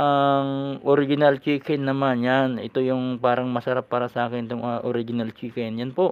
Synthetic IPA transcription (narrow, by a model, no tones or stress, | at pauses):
ʔɐŋʔoɾɪɡɪnalt͡ʃiːkɛnːɐmanjanɛ̰t̪o̞jʊŋpaːɾɐŋmɐsɐɾapːaːɾɐsɐʔaːkɪnt̪oŋɐʔoɾɪɡɪnalt͡ʃiːkɛnjanpo̞ʔ